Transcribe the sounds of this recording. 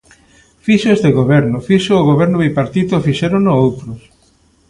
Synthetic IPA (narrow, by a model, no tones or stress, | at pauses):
fiʃoest̪eɣoβɛɾnʊfiʃʊːɣoβɛɾnʊβejpaɾt̪it̪ofiʃɛɾonoowt̪ɾʊs